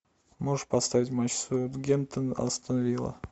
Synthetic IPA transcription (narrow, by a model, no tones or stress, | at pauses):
moʐɨʂpɐst̪avʲɪtʲmat͡ɕsut̪ɡʲemt̪ənɐ̰st̪ənɐvʲilˠə̰